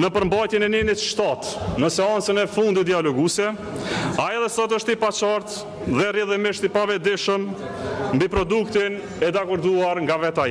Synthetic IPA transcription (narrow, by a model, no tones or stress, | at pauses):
nəpəɾmbajt̪jɛnɛninit̪ʃt̪at̪nəsɛant͡sənɛfund̪it̪d̪ialɔɡusɛ | aɛðɛsɔt̪̬əʃt̪ipat͡ʃaɾt̪ | ðɛriðimɪʃt̪ipavɛd̪ɪʃəm | mbipɾɔd̪ukt̪in | ɛd̪akɔɾd̪uaɾŋɡavɛt̪aɛ